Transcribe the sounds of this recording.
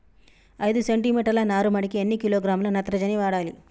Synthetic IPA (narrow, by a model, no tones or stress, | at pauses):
ɐjd̪useɳʈimiːʈɐɾlɐnaːɾumɐɽikienːikiloːɡɾaːmlɐnɐt̪ɾɐd͡ʒɐniʋaːɽaːlḭ